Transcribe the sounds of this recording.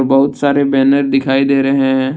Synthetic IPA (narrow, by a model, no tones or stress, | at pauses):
ɾbəɦʊt̪saːɾebɛːnəɾd̪ɪkʰaːid̪eːɾəɦẽɦɛ̃